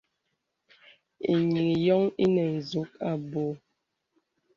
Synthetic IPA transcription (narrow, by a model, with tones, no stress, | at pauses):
ḭ˨ɲi˨ŋi˨jɔ˦ŋi˦nɛ˨n̩˨zu˨˦k̚a˨bo˨˦